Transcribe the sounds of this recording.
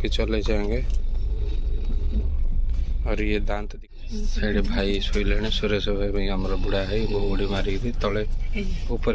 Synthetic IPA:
ket͡ʃəled͡ʒaẽŋɡe | ɔːɾjed̪ãːnt̪d̪ | səɽibʱaːisoilenesuɾesəbʱamẽɦəmɾabuɽaɦɛʋooɽimaɾid̪it̪ɔleupəɾ

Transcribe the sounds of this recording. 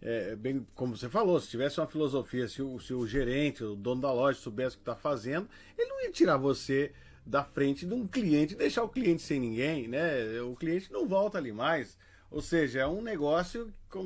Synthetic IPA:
ɛbẽj̃kõmʊvosefalosɪ̥t͡ʃivɛsɪũmɐfilozofiɐsɪʊsɪʊʒeɾẽnt͡ʃɪʊd̪õnʊd̪ɐlɔʒɐsobɛsɪʊkɪ̥t̪afazẽnd̪ʊ | elɪnɐ̃iɐt͡ʃiɾaɾvose | d̪ɐfɾẽnt͡ʃɪd̪ũkliẽnt͡ʃɪd̪ejʃaɾʊkliẽnt͡ʃɪ̥sẽj̃nĩŋɡẽj̃nɛʊkliẽnt͡ʃɪnɐ̃w̃vɔwt̪ɐalimajs | o̰wseʒɐɛũneɡɔsjʊkõ

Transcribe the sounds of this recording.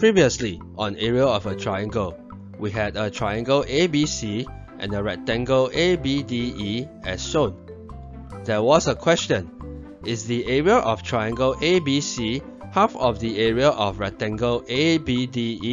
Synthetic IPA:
pʰɹiviəsli | ʔɔ̃nɛɹiəɔvətʰɹajãŋɡəl | wiɦɛdətʰɹaɪãŋɡəlʔebisi | ʔɛ̰̃nəɹɛtɛ̃ŋɡəlʔebidiiɛsːõn | dɛwɔsəkʰw̥ɛst͡ʃə̃n | ʔɪsdiʔɛɹiəʔɔftʰɹajãŋɡəlʔebisi | hafɔfdiɛɹiəʔɔfɹɛtɛ̃ŋɡəʔebidii

